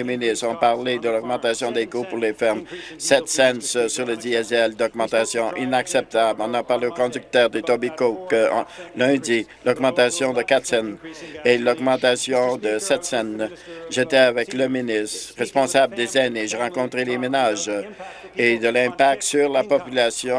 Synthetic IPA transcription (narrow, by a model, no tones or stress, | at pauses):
eminist̪ʁɔ̃paʁled̪əlɔɡ̚mɑ̃t̪asjɔ̃d̪ekopuʁlefɛʁmsɛt̪sɛnsəsyʁləd̪iɛzɛld̪ɔɡmɑ̃t̪asjɔ̃ʔinaksɛp̚t̪ablɔ̃napaʁleokɔ̃d̪yk̚t̪œːʁd̪et̪ɔbikokəɑ̰̃lɛ̃d̪ilɔɡmɑ̃t̪asjɔ̃d̪əkat̪sɛnelɔɡmɑ̃t̪asjɔ̃d̪əsɛt̪sɛnʒet̪ɛavɛkləminɪst̪ʁɛspɔ̃sabld̪ezaneʒeʁɑ̃kɔ̃t̪ʁelemenaʒ | ed̪əlɛ̃pak̚t̪syʁlapɔpylasjɔ̃